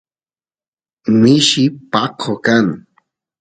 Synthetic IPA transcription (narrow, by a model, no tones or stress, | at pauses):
mɪʃɪpɑqʰokaŋ